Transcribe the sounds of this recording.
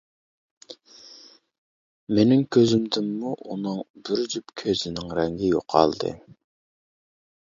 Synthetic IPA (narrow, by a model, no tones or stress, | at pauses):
menɪŋkʲʰøzɪmd̪ɪmːuʔunɨŋbyɾd͡ʒypkʲʰøzɪnɪŋɾɛŋɡʲɪjo̰qʰɑ̰lˠd̪ɨ̰